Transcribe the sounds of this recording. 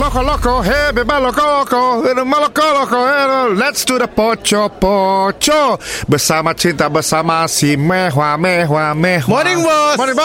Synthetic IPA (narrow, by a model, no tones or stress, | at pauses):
lɔkɔlɔkɔɦebebalɔkɔlɔkɔnəmalɔkɔlɔkɔɦelɛtstudəpɔt͡ʃɔpɔt͡ʃɔbəsamat͡ʃint̪abəsamasimɛɦwamɛɦwamɛmɔnĩŋwɔmɔnĩb